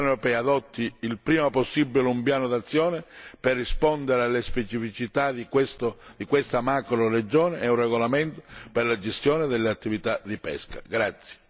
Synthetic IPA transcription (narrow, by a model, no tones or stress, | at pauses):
ɔnewɾopɛːaːd̪ɔt̪ʰːiːlpɾiːmaposːibːileumpjaːnod̪at̪sːjɔːnɪperːispɔnd̪eɾealːespɛt͡ʃifit͡ʃit̪ad̪ikest̪od̪̥ikwest̪amakɾored͡ʒɔːneʔɛunrɛɣolament̪operlad͡ʒest̪jɔːnɪd̪elːeat̪ːivit̪ad̪ipɛ̰skaɡɾat̪sːje̥